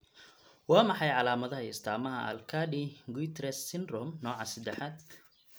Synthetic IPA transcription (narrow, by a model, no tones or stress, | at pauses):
wɑːmɑħɑjʕɑlaːmɐðɐɦɐɪst̪ʰaːmɐɦɐɐ̰lkʰaːdiɡut̪ʰɾɛsːɪnd̪rɔmnɔːʕɑsɐd̪ɛħaːd̪